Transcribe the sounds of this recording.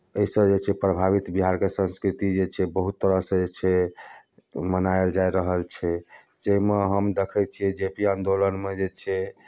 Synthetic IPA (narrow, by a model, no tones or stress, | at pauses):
əisəbd͡ʒet͡ʃʰɛpɾəbʱaβit̪biɦaɾkesə̃ñskɾit̪id͡ʒet͡ʃʰɛbəɦut̪ːəɾəɦsə̃d͡ʒet͡ʃʰɛ | mənaeld͡ʒajɾəɦəlt͡ʃʰɛ | d͡ʒeɦimeɦəmd̪ekʰɛt͡ʃʰiɛd͡ʒepiãnd̪olənmed͡ʒet͡ʃʰɛ